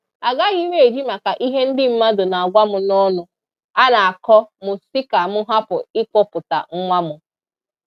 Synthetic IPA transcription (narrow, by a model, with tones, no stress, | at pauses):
a˨ɡa˦ɣi˦we˦˨e˨d͡ʒi˦ma˨ka˨ʔi˦ɦe˦n̩˦dɪ˦m̩˦ma˦do˨na˨a˨ɡʷa˦mʊ˨nɔ˦nʊ˨ | a˦na˨a˨kɔ˦mʊ˨si˦ka˨mʊ˦ɦa˦pʊ̰˨ɪ˦k͡pɔ˦pʊ˨ta̰˨ŋ̩˦ŋʷa˦mʊ˨